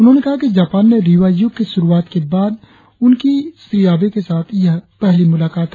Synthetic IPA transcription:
ʊnɦõnekɐɦakid͡ʒaːpaːnːeɾiʋaːjukiʃʊɾuaːt̪kebaːd̪ | ʊnkisɾijaːbekesaːt̪ʰjɐɦpɛɦlimʊlaːkaːt̪

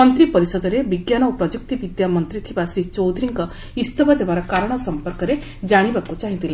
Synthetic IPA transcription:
mɔnt̪ɾipɔɾisɔd̪ɔɾebiɡjanɔwpɾɔd͡ʒuk̚t̪ibid̪jamɔnt̪ɾit̪ʰibasɾit͡ʃɔwd̪ɾiŋkɔ | ist̪ɔbʱad̪ebaɾɔkaɾɔɽ̃ɔsɔmpɔɾkɔɾe | d͡ʒaɽ̃ibakut͡ʃaɦĩt̪ʰile

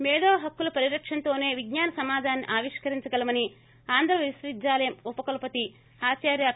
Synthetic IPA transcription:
mɛːd̪oːɦɐkːulɐpɐɾiɾɐkʂɐnt̪o̞ːne̞ːʋiɡɲaːnɐsɐmaːd̪ʱaːnːiʔaːʋiʂkɐɾiɲt͡ʃɐɡɐlɐmɐni | aːnd̪ɾɐʋisɾid̪d͡ʒaːlɐjɐmupɐkɐlɐpɐt̪i | haːt͡ʃaːɾjaː

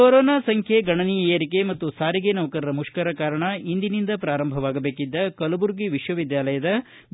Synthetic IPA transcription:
oɾɔːnaːsɐŋkʰjeɡɐɳɐnijɐeːɾikemɐt̪ːusaːɾiɡenɐʋɐkɐɾɐɾɐmuʂkɐɾɐkaːɾɐɳɐind̪inind̪ɐpɾaːɾɐmbʱɐʋaːɡɐbe̞ːkid̪ːɐkɐlɐbuɾɡiʋiʃʋɐʋid̪jaːlɐjɐd̪ɐ

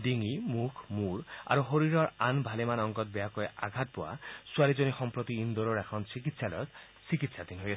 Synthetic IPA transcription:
d̪iŋimukʰmuɾa̰ɾuɦoɾiɾɔɾanbʱalemanɔŋkɔt̪̚bejakɔeʔa̰ɡʱat̪̚pɔwa̰suaɾid͡ʒonixɔmpɾot̪iːnd̪oɾoɾakʰɔnsikit̪salɔ̰jɔt̪ | sikit̪sad̪inɦoja

